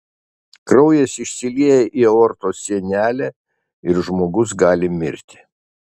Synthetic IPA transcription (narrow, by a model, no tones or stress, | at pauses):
kɾɒʊjɛsɪʃʲsʲɪlʲiɛjɛʔioːɾt̪oːsʲiɛnʲæːlʲæ | ɪɾʒmoːɡʊs̬ɡɑːlʲɪmʲɪɾʲt̪ʲɪ̥